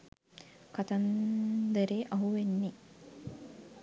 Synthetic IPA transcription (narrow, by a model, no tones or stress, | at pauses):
kat̪and̪əɾeːʔɐɦuʋenːi